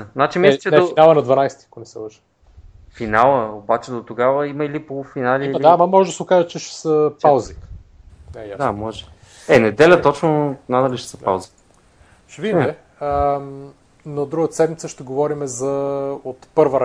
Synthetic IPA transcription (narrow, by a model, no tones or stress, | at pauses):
zat͡ʃimislt͡ʃɛnɛofinalˠəɐnɐd̪vɐnajst̪iɐkonɛsɛ̰lˠəʃə̥ | finalˠəobat͡ʃɛd̪ot̪oɡavəimɐilipolˠfinalid̪aamɐmɔʒɛd̪əsɛokaʒət͡ʃɛʃɛ̥səpawzi | najasd̪amɔʒɛ | ɛnɛd̪ɛlʲət̪ɔt͡ʃnonanɐliʃɛ̥səpa̰wzi̥ | ʃɛvid̪imɛ | ə | nod̪ɾuɡət̪ə̥sɛd̪mit̪səʃt̪ɛɡovɔɾimɛzɐot̪pɤɾvəɾɐ